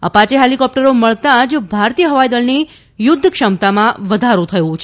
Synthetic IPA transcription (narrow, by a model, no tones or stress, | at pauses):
ə̰pãt͡ʃeɦelikɔp̚ʈəɾoməɭt̪ãd͡ʒbʱaɾt̪ijəɦəʋajd̪əlni | jʊd̪ʱːəkʃəmt̪amãʋəd̪ʱaɾũt̪ʰəjũt͡ʃʰ